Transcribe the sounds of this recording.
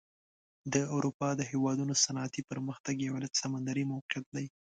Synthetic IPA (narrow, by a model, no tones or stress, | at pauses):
d̪əʊɾupɑd̪əɦewɑd̪unosanɑːt̪ipəɾməxt̪aɡjawalasamand̪aɾimawqjat̪̚d̪aj